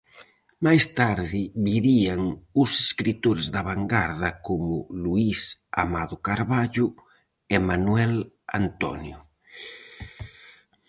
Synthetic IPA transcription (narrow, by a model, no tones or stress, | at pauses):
majst̪aɾðɪβiβiaŋuseskɾit̪oɾezðaβaŋɡaɾðɐkomʊluisa̰maðʊkaɾβaʎʊ | emanwɛl | a̰nt̪ɔ̰njʊ